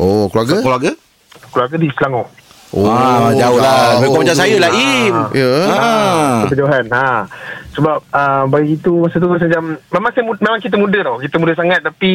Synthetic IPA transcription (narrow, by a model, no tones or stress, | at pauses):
ʔokluaɾɡakluaɡa | kluarɡədisəlaŋɔ | ʔoad͡ʒaolaekɔməd͡ʒasajəlaimjəaəpəd͡ʒaɦanasəbap̚əbaɡikit̪umasat̪̬uəsad͡ʒammemaŋsajəmumemaŋkit̪əmudəɾɔkit̪əmudəsaŋat̪̚ːapi